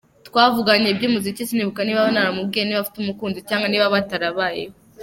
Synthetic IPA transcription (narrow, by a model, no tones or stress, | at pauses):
tkwaːvuɡaɲebɟiːmuzicisiniβukaniːβaβonaɾamub̚ɡieniβafi̥tumukuːnzicaːŋɡaniːβaβataɾaβajḛ